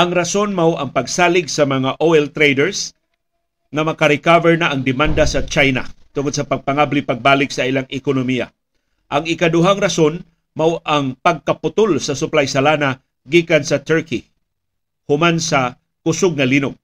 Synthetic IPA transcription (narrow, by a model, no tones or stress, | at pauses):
ʔaŋɾasonmawʔaŋpɐɡsaːlɪɡsamɐŋaʔoɛlt̪ɾejdɛɹs | ŋamɐkaɾɪkavɛɹnaʔːŋd̪ɪmand̪asɐt͡ʃajna̰t̪ʊŋod̪̚sapɐɡ̚paŋablipaɡ̚baːlɪksaʔilaŋʔɪkʊnomija̰ | ʔaŋɪkad̪ʊɦaŋɾason | mawʔaŋpɐɡ̚kapʊt̪ʊlsɐsʊplajsalana | ɡiːkansɐt̪ɛɹki | hʊmansa | kʊsʊɡ̚ŋalinʊɡ̚